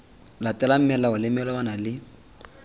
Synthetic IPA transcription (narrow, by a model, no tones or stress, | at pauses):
latʼɛlam̩mɛlaʊlɪmɛlɔbanalɪ